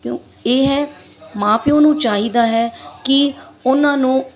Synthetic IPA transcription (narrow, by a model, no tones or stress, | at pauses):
kjõ̰ː | eːɦɛː | mãːpiːõːnũːt͡ʃaːɦiːd̪aːɦɛːkɪʊnãːnũː